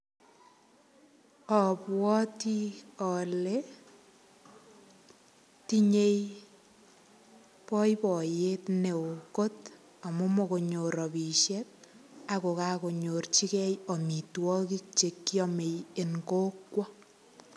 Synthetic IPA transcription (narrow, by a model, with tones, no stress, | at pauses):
ɔ˨pwɔ˦ti˦ɔ˨le | ti˦ɲe˦j | pɔ˦jpɔ˨jetne˨o˨ko˦t | a˨mo˦mo˨ko˨ɲo˨ɾɔ˨pi˨ʃɛt̚a˨ko˨ka˦ko˨ɲo˨rt͡ʃi˦kɛ˦jɔ˨mi˨twɔ˦ki˦k̚t͡ʃe˨kːi˦ɔme˨je˨nko˦kwɔ˦